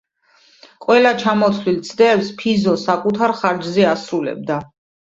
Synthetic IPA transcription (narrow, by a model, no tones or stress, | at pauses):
qʼwɛlat͡ʃʰamɔt̪ʰlilt̪sʼd̪ɛːfspʰizɔsakʼut̪ʰaɾχaɾd͡ʒzɛasɾulɛ̰b̚d̪a